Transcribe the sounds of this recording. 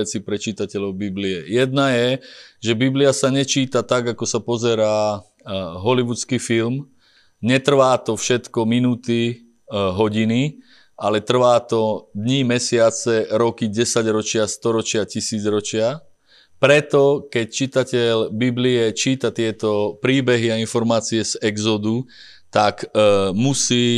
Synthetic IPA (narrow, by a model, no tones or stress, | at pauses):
ɛt͡sipɾɛt͡ʃiːt̪acɛlɔʊbibliɛjɛd̪̚najɛʒɛbibliasaɲɛt͡ʃiːt̪at̪aɡakɔsapɔzɛɾaː | ɦɔliʋut͡skifilm | ɲɛt̪r̩ʋaːt̪ɔfʃɛt̪kɔminuːt̪i | ɦɔɟini | alɛt̪r̩ʋaːt̪ɔd̪ɲimɛsɪat͡sɛɾɔkiɟɛsaɟɾɔt͡ʃɪast̪ɔɾɔt͡ʃɪacisiːd͡zɾɔt͡ʃɪa | pɾɛt̪ɔkɛct͡ʃit̪acɛlbibliɛt͡ʃiːt̪at̪ɪɛt̪ɔpɾiːbɛɦiainfɔɾmaːt͡siɛzɛɡzɔd̪u | t̪akmusiː